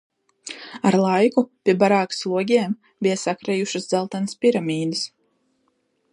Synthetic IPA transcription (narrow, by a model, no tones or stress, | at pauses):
aɾlˠajkupʲiɛbaɾaːkslˠuɔɡʲiɛm | bijasakɾɛjuʃɨsd̪zɛlˠt̪anəspʲiɾamʲiːd̪ɨs